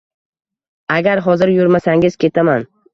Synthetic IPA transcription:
aɡʲaɾɦɒzɪɾjoɾmasaŋɪz̥kʲe̞t̪ʰaman

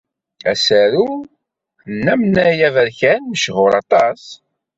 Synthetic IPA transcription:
æ̰sæɾu | nːæmnæjævəɾçænməʃʁʊɾɑt̪ˤɑs

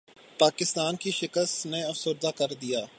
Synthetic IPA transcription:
paːkɪst̪aːnkiʃɪkəst̪neɐfsʊɾd̪akɐɾd̪ijaː

